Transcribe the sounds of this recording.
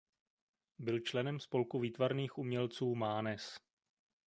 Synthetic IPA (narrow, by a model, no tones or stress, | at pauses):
bɪlt͡ʃlɛnɛmspo̞lkuviːt̪vaɾniːxʔumɲɛlt͡suːmaːnɛs